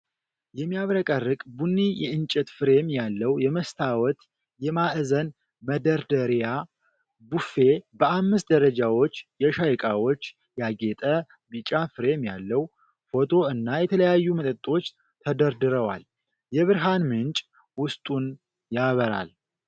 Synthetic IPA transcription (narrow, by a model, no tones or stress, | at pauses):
jɛmːijaβɾəkʼərːɨkʼbunːijɛʔɨnt͡ʃʼɛt̪fɨɾe̞mjalːəwjɛməst̪ʰawɔt̪ | jɛmaʔzən | məd̪əɾd̪əɾja | bufe̞bəamːɨst̪̚d̪əɾəd͡ʒawo̞t͡ʃːjɛʃajkʼawo̞t͡ʃː | jaɡet̪ʼə | bit͡ʃʼafɨɾe̞mjalːəw | fo̞t̪ʰo̞ɨnːajɛt̪ʰələjajːumət̪ʼət̪ʼːo̞t͡ʃː | t̪ʰəd̪əɾd̪ɨɾəwa̰l | jɛβɨɾɦanmɨnt͡ʃʼ | wʊst̪ʼun | jaβəɾa̰l